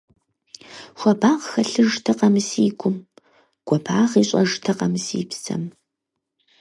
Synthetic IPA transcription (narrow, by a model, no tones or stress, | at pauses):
xʷɔbaːʁxɐɬɨʒtʰɐqɐmɨsiːɡʷʊm | ɡ̥ʷɔbaːʁiːɕʼɐʒtʰɐqɐmɨsḭːpsɐ̰m